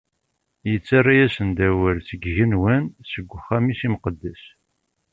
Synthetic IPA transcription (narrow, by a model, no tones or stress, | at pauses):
jət͡sːarˤːajæsənd̪æwəɾθəɡʝənwənsəɡʷːχæmisimqəd̪ːæs